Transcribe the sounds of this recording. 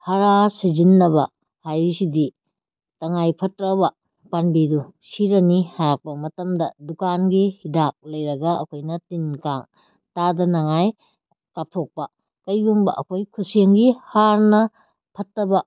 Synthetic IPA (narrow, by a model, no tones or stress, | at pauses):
hɐɾasizinːɐβɐ | hajɾisidi | tɐŋajpʰɐtɾɐβɐ | panbidusiɾɐnihaɾak̚pɐmɐtɐmdɐdukanɡihidak̚lɐjɾɐɡɐɐ̰kʰojnɐtinkaŋ | tadɐnaŋaj | kap̚tʰok̚pɐ | kɐjbuŋbɐ̰ʔɐ̰kʰojkʰusieŋɡihaɾnɐ | pʰɐtːɐbɐ